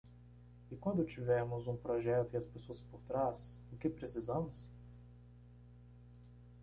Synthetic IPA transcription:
ɪkwɐ̃nd̪ʊt͡ʃivɛɾmʊzũpɾoʒɛt̪ʊɪɐspesoɐspoɾt̪ɾasʊkɪpɾesizɐ̃mʊs

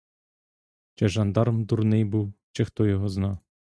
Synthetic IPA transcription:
t͡ʃɛʒɑnd̪ɑɾmd̪urnɪjbuwt͡ʃɛxt̪ɔjɔɦɔznɑw

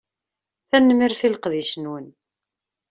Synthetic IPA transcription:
θænːəmiɾθilqðiʃənwən

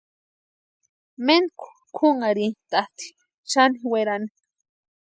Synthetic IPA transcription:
menkʰu̥ | kʰuŋaɾint̪at̪i̥ | t͡ʃaniweɾani

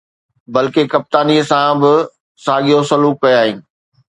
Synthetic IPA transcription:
bɐlkekɐp̚t̪aːniəsãbɪ | saːɠijosɐluːkːɐjaːɦiːnɪ̆

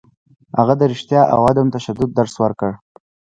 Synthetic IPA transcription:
haɣad̪əɾɪʃt̪jɑʔa̰wɑd̪amt̪aʃad̪ʊd̪ːaɾswəɾkəɽ

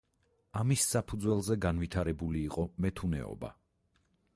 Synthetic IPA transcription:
amisːapʰud̪zwɛlˠzɛɡanvit̪ʰaɾɛbuliːqʼɔmɛt̪ʰunɛ̰ɔ̰ba̰

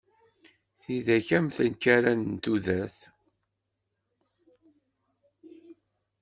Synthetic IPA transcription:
θiðæçæmθənkæɾænnt̪uðæθ

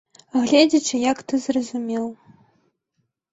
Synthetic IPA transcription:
ɣlʲed͡zʲɐt͡ʂɨjakt̪ɨzrɐzumʲelˠ

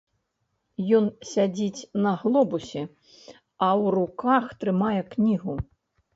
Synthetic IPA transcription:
jɔnsʲad͡zʲit͡sʲnɐɣlˠɔbusʲɛ | ɐwrukaxt̪ɾɨmajɛknʲiɣu

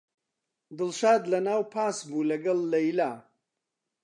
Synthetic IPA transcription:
d̪ɨlʃaːd̪lɐnaːwpʰaːsbuːlɐɡɐlːɐjlaː

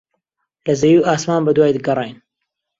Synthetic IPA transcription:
lɐzɐjuːʔaːsmaːnbɐd̪waːjd̪ɡɐrˤeːjn

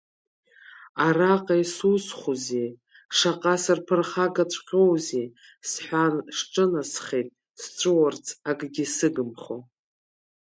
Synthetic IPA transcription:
araqʼajsusχuze | ʂaqʼasarpʰɨrχaɡat͡ɕʷʰqʲʼowze | sħʷᶣaʂʈ͡ʂʼɨnasχejtʼ | st͡ʃʷʼɨwart͡sʰʼaɡʼɡʲisɨɡɨmχo̰

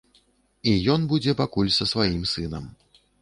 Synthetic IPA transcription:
ijɔnbud͡zʲɛpakulʲsɐsvajimsɨnɐm

